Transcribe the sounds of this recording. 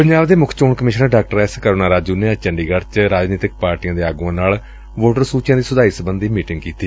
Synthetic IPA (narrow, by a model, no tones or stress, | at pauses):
pəɲd͡ʒaːbd̪eːmʊkʰt͡ʃoːɳkəmɪʃnəɾɖaːk̚ʈəɾɛːskəɾoːnaːɾaːd͡ʒuːneːət͡ʃəɳɖiːɡəɽt͡ʃɾaːd͡ʒniːt̪ɪk̚paːɾʈijãːd̪eːaːɡuãːnaːl | ʋoːʈəɾsuːt͡ʃjãːd̪iːsʊd̪aːiːsəbənd̪iːmiːʈɪŋɡkiːt̪iː